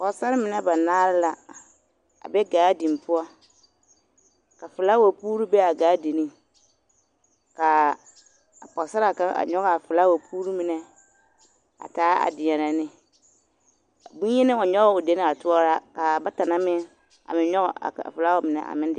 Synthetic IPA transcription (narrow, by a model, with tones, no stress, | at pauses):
pɔ˨sa˦ɾɪ˦mɪ˨nɛ˦ba˨naː˦ɾɪ˦la˨ | a̰˨bɛ˦ɡaː˨˦di˨m˨pʊ˦ɔ˦ | ka˨fɪ˨la˦wa˨puː˦ɾu˦bɛ˦a˨ɡaː˨˦di˨nĩ˦ | ka˨ | a˨pɔ˨sa˦ɾa˨ka˦a̰˨ɲɔ˦ɣa˨fɪ˨la˦wa˨pʰuː˦ɾu˦mɪ˨nɛ˦ | a̰˨taː˨˦a̰˨dɪ˨ɲɛ˨na˨nɪ˦˨ | bũ˦ɛ˦nɪ˦ɔ˨ɲɔ˦ɣɔ˦ʊ˨de˦nɪ˦a˨tʊ˦ɔ˦ɾa˦ka˨ba˦ta˨na˦mɪ˦n | a̰˨mɪ̃˨˦ɲɔ˦ɣɔ̰˨a̰˨a̰˨fɪ˨la˦ʊ˦mɪ˨nɛ̰˨a̰˨mɪ̃˦n˦dɪ˨˦